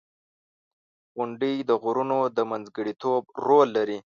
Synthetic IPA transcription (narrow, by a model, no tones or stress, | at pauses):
ɣʊɳɖid̪əɣʊɾunod̪əmanzɡəɽit̪ʰob̚ɾolːaɾi